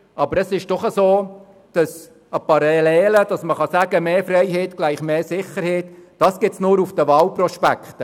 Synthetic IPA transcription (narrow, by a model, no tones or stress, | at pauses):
ʔɑbəɾəsɪʃd̥ɔχəsoː | d̥ɑs | əpɑɾelɛːləd̥ɑsməχɑsæɡəmeːfɾɛɪɦɛːtɡlæɪχmeːsɪχəɾhɛːtd̥ɑːsɡ̥ɪsnʊːɾufd̥əʋɑːlprɔʃpækχt̪ə